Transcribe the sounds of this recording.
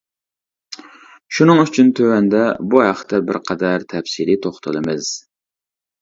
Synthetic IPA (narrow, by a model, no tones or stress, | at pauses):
ʃunɨŋyt͡ʃʰynt̪ʰøwɛnd̪ɛbuɦæχt̪ʰːɛbɪ̰ɾqʰɑd̪æɾt̪ʰɛfsilit̪ʰoχt̪ʰɨlˠɨmɨz̥